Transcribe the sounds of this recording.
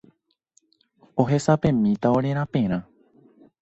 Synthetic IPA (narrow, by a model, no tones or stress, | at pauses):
o̞ɦesapẽ̞mĩt̪aoɾẽɾ̃ãpẽɾ̃ã